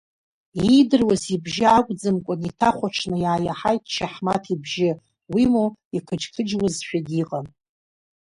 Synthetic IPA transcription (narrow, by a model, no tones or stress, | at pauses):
idɨrwazibʒɪakʷʼd͡zɨmkʷʼʊnitʰaχʷaʈ͡ʂʰnɨjaːjaħajtʰʼʃʰaħmatʰibʒɪ | wimuikʰɨd͡ʒtʰɨd͡ʒwɨzʃʷᶣaɡʲiqʼan